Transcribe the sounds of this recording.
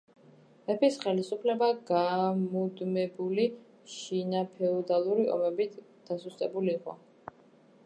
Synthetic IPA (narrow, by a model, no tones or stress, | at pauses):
ɛpʰisχɛlisupʰlɛbaɡamud̪mɛbuli | ʃinapʰɛɔd̪alˠuɾiɔ̰mɛbit̪ʰ | d̪̥asust̪ʼɛbuliːqʼɔ̰